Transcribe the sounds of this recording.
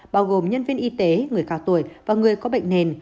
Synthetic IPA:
ɓaː˧wɣo˨˩mɲə˧nvi˧ənʔi˧t̪e˨˦ŋɨ˨˩əjxaː˧˩wt̪o˧˩˨jvaː˨˩ŋɨ˨˩əjkɔ˨˦ɓə̰˧˨ŋ̟ne˨˩n

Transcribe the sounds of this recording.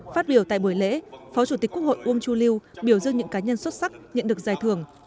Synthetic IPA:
faː˦˥t̚ɓi˧˩əwt̪a̰ː˧˨jɓu˧˩əjlḛ˧˥fɔ˨˦t͡ɕu˧˩t̪i̟˨˩ku˦˥ək̚ho̰˧˨jʔu˧əŋt͡ɕu˧li˧wɓi˧˩əwzɨ˧əŋɲɨ̰˧˥ŋkaː˨˦ɲə˧nswə˦˥t̚sa˦˥k̚ɲə̰˧˨nɗək̚zaː˨˩jt̪ʰɨ˨˧˩əŋ

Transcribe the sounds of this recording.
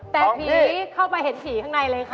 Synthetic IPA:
pɛː˨˩pʰiː˧˦kʰa˥˩wpa˧jɦe˨˩˦ntʰiː˩˦kʰaː˥˩na˧jlɤː˧jkʰa˦˩

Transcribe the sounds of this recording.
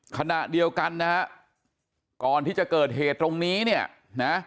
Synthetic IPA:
kʰa˧na˨˩ʔdi˧əwka˧nːa˦˥ka˦˥ʔ | kɔː˨˩nt̪ʰiː˥˩t͡ɕa˨˩kɤː˨˩t̪̚heː˨˩t̪ːɾo˧ŋniː˦˥ni˥˩ɐ | na˦˥

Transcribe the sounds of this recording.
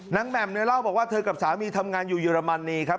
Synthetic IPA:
na˦˥ŋmɛ˨˩m̚nɯ˦˥laː˥˩wbɔː˨˩kwaː˥˩t̪ʰɤː˧ka˨˩p̚saː˩˦wmiː˧t̪ʰa˧mŋaː˧njuː˨˩jɯː˧ɾa˧ma˧nːiː˧kʰa˦˥p

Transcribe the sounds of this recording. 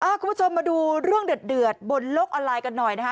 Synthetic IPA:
ʔaː˧˩kʰu˧mpʰːu˥t͡ɕʰo˧mːaː˧duː˧ɾɯ˥˩əŋdɯ˨˩ət̪̚dɯ˨˩ət̪̚bo˧nlo˦˥k̚ʔɔː˧nlaː˧jka˧nːɔ˨˩jna˦˥kʰa˦˥

